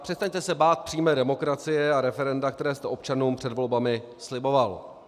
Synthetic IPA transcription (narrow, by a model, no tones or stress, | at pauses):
pr̥ɛst̪aɲt̪ɛsɛbaːt̪̚pr̥iːmɛːdɛmo̞kɾat͡sɪjɛaɾɛfɛɾɛndak̚t̪ɛɾɛːst̪ɛʔo̞p̚t͡ʃanuːmpr̝̥ɛdvo̞lbamɪ | slɪbo̞val